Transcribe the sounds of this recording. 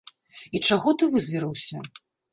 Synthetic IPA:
it͡ʂaɣɔt̪ɨvɨzʲvʲiɾɨwsʲɐ

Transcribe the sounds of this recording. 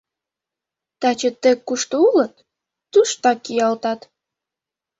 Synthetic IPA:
t̪æt͡ɕə̆t̪ə̆kːuʃt̪oulət̪̚ː | uʃt̪ɑkːijɑlt̪ɑt̪

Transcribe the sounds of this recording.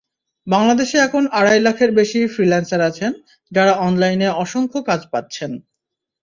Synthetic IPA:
baŋlad̪eʃeɛkʰonaɽajlakʰeɾbeʃifɾilansaɾat͡ɕʰen | d͡ʑaɾaɔnlajneɔʃoŋkʰokad͡ʑpat̪ːɕʰen

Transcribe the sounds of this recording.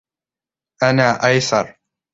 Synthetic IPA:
ʔanaːʔajθɑɾˤ

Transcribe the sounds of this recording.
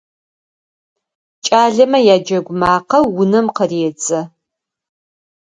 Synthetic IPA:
t͡ʃʼaːɮɐmɐjaːd͡ʒɐɡʷmaːqɐːʊnɐmqɐreːt͡sʼɐ

